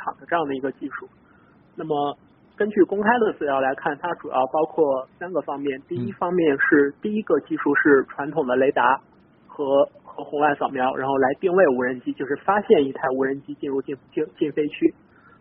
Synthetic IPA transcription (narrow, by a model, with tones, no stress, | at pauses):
ɑ̰˨˩ŋd̪ə˦ʈ͡ʂɤ˥˧jɑ˥˩ŋd̪ə˩i˧˥ɡə˧t͡ɕi˥˧ʂu˥˩ | na˥˩mə˩ | kə˥nt͡ɕy˥˩kʊ˥ŋkʰa˥ɪd̪ə˨t͡sɹ̩˥˩ljɑ˧˥ʊla˧˥ɪkʰa˥˩nt̪ʰa˥ʈ͡ʂu˨˩jɑ̰˥˩ʊpɑ˥ʊkʰwɔ˥˩sa˥nɡə˨fɑ˥ŋmjɛ˥˩nt̪i˥˩i˥fɑ˥ŋmjɛ˥˧nʂɻ̩˥˧t̪i˥˩i˥ɡə˧t͡ɕi˥˧ʂu˥˧ʂɻ̩˥˩ʈ͡ʂʰwa˧˥nt̪ʰʊ˨˩ŋd̪ə˦le˧˥ɪt̪a˧˥ | xɤ˧˥xɤ˧˥xʊ˧˥ŋwa˥˩ɪsɑ˨˩ʊmjɑ˧˥ʊɻa̰˧˥nxo˥˩ʊla˧˥ɪt̪i˥˧ŋwe˥˩ɪu˧˥ɻə˧˥nt͡ɕi˥t͡ɕjo˥˧ʊʂɻ̩˥˩fa˥ɕjɛ˥˧ni˥t̪ʰa˥˩ɪu˧˥ɻə˧˥nt͡ɕi˥t͡ɕi˥˧nɻu˥˧t͡ɕi˥˩n˥t͡ɕi˥˧t͡ɕi˥˩nfe˥ɪt͡ɕʰy˥